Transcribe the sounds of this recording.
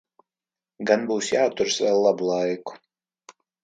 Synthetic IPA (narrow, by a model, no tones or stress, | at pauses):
ɡanbuːsjaːt̪uɾsvɛlˠːabulˠajku̥